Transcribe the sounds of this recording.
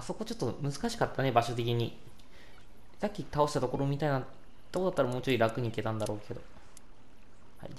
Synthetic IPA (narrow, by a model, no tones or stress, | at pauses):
aso̞ko̞t͡ɕot̪ːo̞mɯ̟zɨkaɕi̥kat̪ːane̞baɕo̞t̪̬e̞k̬ʲiɲ̟i | sakʲːit̪aoɕi̥t̪at̪o̞ko̞ɾo̞ːmʲit̪aina | t̪ːekoat̪ːɾamoːt͡ɕoiɾakɯ̟ɲ̟ike̞t̪ãnd̪aɾo̞ːkʰe̞d̪o̞ | ha̰ḭ